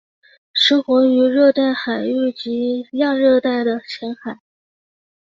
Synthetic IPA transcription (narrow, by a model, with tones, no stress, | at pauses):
ʂ̩˧˥xwʊ˧˥ŋy˧˥ɻɤ˥˧t̪a˥˩ɪxa˨˩ɪy˥˩t͡ɕi˧˥jɑ˥˧ŋɻɤ˥˧t̪a˥˩ɪd̪ə˩t͡ɕʰjɛ˧˥nxa˨˩˦ɪ